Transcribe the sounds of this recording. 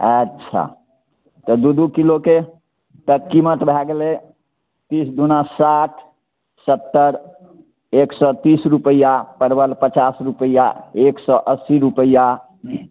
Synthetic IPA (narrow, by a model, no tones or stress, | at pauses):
ɛtt͡ʃʰa̰ | t̪ɔd̪ud̪ukiloke | t̪əkkimət̪bʱɛɡle | t̪isd̪unasaʈʰ | sət̪ːəɾ | eksɔt̪isɾupəjapəɾbəlpət͡ʃasɾupəjaeksɔʔəsiɾupəja